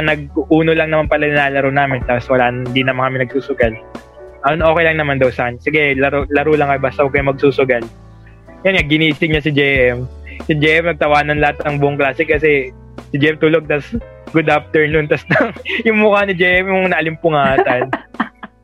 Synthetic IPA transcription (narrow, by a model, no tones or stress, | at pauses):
ɐnɐɡ̚ʔuːnolɐŋnɐmanpɐlɐnɪnaːlɐɾownaːmɪnt̪aposwɐlaːnɪnd̪inɐmankɐmɪnɐɡ̚suːsʊɡɐl | ʔɐnʔo̞ːkɛjlɐŋnɐmand̪ɐwsɐkɐɲsɪɡɛlɐɾolɐɾuːlɐŋkɐjbaːst̪ɐhoɡkɐjɐmɐɡ̚suːsʊɡɐl | jɐnŋɐɡɪniːsɪŋɲɐsɪd͡ʒɛʔɛmsɪd͡ʒɛʔɛmnɐɡ̚t̪ɐwaːnɐnlɐhat̪̚ɐŋbʊʔʊŋklaːsɛkɐsɛ | sɪd͡ʒɛʔɛmt̪uːloɡ̚t̪ɐs | ɡʊd̪af̚t̪ɛɹnʊnt̪ɐsd̪ɐŋjʊŋmʊkanɪd͡ʒɛjʔɛmjʊŋnɐʔɐlɪmpʊŋaːt̪ɐnn